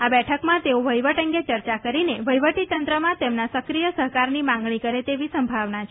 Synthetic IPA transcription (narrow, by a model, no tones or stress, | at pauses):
abɛʈʰəkmãt̪eoʋʱəjʋəʈəŋɡet͡ʃəɾt͡ʃakəɾineʋʱəjʋəʈit̪ənt̪ɾəmãt̪emnasəkɾijəsəɦkaɾnimãŋɡɳ̃ikəɾet̪eʋisəmbʱaʋnat͡ʃʰ